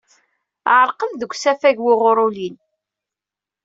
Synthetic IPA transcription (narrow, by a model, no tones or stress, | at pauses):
ʕəɾqənðəɡʷsæfæʝwɪʁʊɾulin